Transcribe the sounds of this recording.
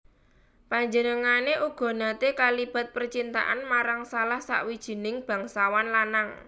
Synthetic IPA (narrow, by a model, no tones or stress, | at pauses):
paɲd͡ʒənəŋaneʔuɡ̥ɔ̤nat̪ekalib̥a̤t̪̚pərt͡ʃint̪a̰ʔanmaɾaŋsalahsa̰ʔwid̥ʒ̥i̤nɪŋb̥a̤ŋsawanlanaŋ